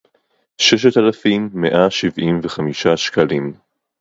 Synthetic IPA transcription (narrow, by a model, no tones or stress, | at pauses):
ʃɛʃ̬etalafimːeʔaʃivʔimveχamiʃaʃkalim